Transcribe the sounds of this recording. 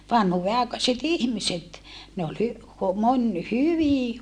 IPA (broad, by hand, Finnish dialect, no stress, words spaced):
ʋɑnhuːʋeɑˑekɑset ihmiset ne ol hy monʲ hyʋiˑ